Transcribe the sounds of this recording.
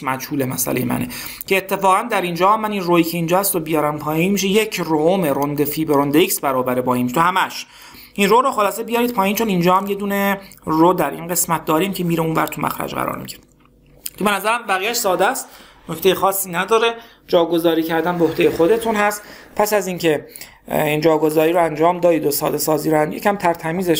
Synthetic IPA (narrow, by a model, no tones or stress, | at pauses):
mæd͡ʒhuːlemæsæ̰lḛjemæ̰nḛ | cʰeːt̪ʰːe̞fɒːɣænd̪æɾind͡ʒɒːhæmːæninroiːcʰe̞ind͡ʒɒːhæst̪obijɒːɾæmpʰɒːjinmiʃ̬eje̞cʰroomeɾond̪efiːbeɾond̪eicsbæɾɒːbæɾebɒːinmiʃt̪ohæmæʃ | ʔinroɾoxolɒːsebijɒːɾid̪̚pʰɒːjiːnt͡ʃʰonind͡ʒɒːhæmje̞d̪uːneroːd̪æɾʔinɢe̞smæt̪̚ʰd̪ɒːɾiːmcʰe̞miːɾeunvæ̰ɾt̪ʰumʔæ̰xɾæ̰d͡ʒɢæ̰ɾɒ̰ːɾmḭɟiɾe | cʰebenæzæɾæmbæɣijæʃsɒːd̪æst̪ | no̞cʰt̪ejexɒːsːiːnæd̪ɒːɾe̞ | d͡ʒɒːɡo̞zɒːɾiːcʰæɾd̪ænbeohd̪e̞jexo̞d̪et̪ʰunhæst̪pʰæsæzincʰe̞ | ind͡ʒɒːɡo̞zɒːɾiːɾoænd͡ʒɒːmd̪ɒːd̪iːd̪osɒ̰ːd̪e̞sɒːziːɾænjecʰæmt̪ʰæɾt̪ʰæmiːzeʃ